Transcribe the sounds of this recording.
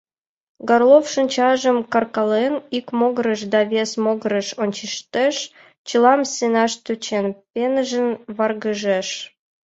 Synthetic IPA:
ɡɑrlˠofʃə̆nʲt͡ɕɑʒə̆mkɑrkɑlenikmoɣɾəʃd̪ɑβʲesmoɣɾəʃonʲt͡ɕiʃt̪eʃ | t͡ɕəlɑmsʲenɑʃt̪øt͡ɕenpʲenəʒə̆nβɑrɣəʒeʃ

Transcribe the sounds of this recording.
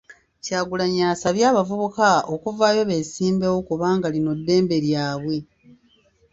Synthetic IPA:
caːɡulaɲaːsaβjaːβavuβukao̞kuvaːjo̞βe̞ːsiːmbewokuβaːŋɡalino̞dːe̞ːmbe̞ɾjaːβwe̞

